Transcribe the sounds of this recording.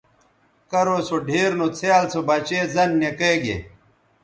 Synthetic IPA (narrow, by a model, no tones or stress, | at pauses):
kɐɾoːsoɖʱeːɾnut͡sʰeaːlt͡sobat͡ɕeːzɐnːekeːɡḛ